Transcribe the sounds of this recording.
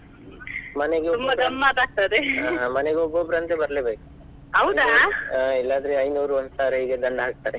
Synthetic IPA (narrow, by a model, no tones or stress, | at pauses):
mɐneɡeumbɐbɡɐmːaːt̪aːk̚t̪ɐd̪eɦmɐneɡeobobɾɐnt̪ebɐɾlebeːku̥ | ɐwd̪ailːaːd̪ɐɾeɐjnuːɾuʋɐnd̪saːɾɦiːɡed̪ɐɳɖɐɦaːk̚t̪aːɾe